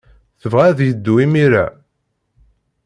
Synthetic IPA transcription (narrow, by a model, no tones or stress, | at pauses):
θəvʁæðjəd̪ːuimiɾæ̰